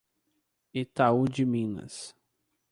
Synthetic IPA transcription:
it̪aud͡ʒɪmĩnɐ̰s

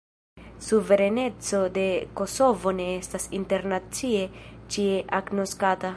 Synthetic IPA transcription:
suve̞ɾene̞t͡so̞d̪e̞ko̞so̞vo̞ne̞estasinte̞ɾnat͡sie̞t͡ʃieʔaɡno̞skat̪a

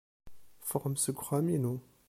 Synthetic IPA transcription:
fɔʁmsəɡʁamenɔ̃

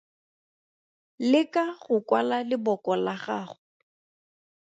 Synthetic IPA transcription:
lɪkʼaχʊkʼwalalɪbɔkʼɔlaχaːχʊ

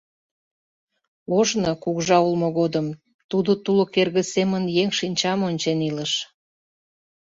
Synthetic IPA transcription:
oʒnokuɣʒɑulmoɣod̪əm | t̪ud̪ot̪ulokerɣə̆semənjeŋʃinʲt͡ɕɑmonʲt͡ɕeniləʃ

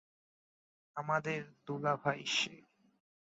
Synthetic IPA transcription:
amad̪eɾd̪ulabʱaiʃe

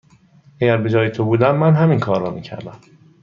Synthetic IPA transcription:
ʔæɟæɾbe̞d͡ʒɒːjet̪ʰobuːd̪æmːænɦæminkʰɒːɾːɒːmiːcʰæ̰ɾd̪æm

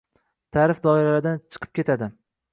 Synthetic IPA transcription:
t̪ʰaːɾɪfd̪ɒɪɾalad̪ant͡ʃʰɨ̥qʰɨ̥p̚kʲe̞t̪ʰad̪ɪ

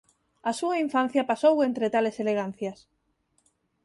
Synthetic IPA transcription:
asuaiɱfan̟θjapasowent̪ɾet̪aleseleɣ̞an̟θjas

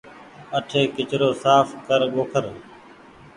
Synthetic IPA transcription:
əʈʰeːkɪt͡ʃɾoːsaːfkəɾɠoːkʰəɾ

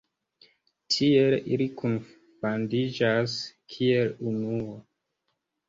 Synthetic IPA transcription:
tʰielilikun | fandid͡ʒaskʰielunuo

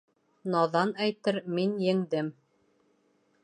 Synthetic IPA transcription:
nɑðɑnæjt̪ɘɾminjɘ̆ŋd̪ɘm

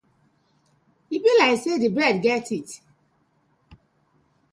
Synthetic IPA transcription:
hibilaɪksedɨbɹɛdɡɛtit

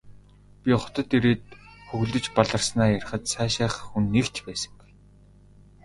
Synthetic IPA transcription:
pʲiχɔ̥t̪ɞ̆t̪eɾeːt̪̚xɵɣɮɵ̆t͡ɕpaɮə̆rsnaːjær̆ʲχə̆t̪sæːʃaːχxunːekt͡ɕpæːsə̥̆ŋɡuj

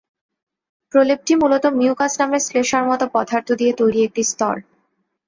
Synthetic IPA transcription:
pɾoleb̚ʈimulot̪omiukasnamesleʃaɾmɔt̪opɔd̪ʱaɾt̪ʰod̪iet̪ojɾieek̚ʈist̪ɔ̰ɾ

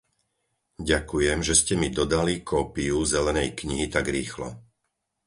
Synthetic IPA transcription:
ɟakujɛmʒɛscɛmid̪ɔd̪alikʰɔːpiuzɛlɛnɛjkɲiɦit̪aɡɾiːxlɔ̰

